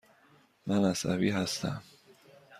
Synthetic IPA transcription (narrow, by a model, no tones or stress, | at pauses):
mænæsæ̰viːɦæst̪ʰæ̰m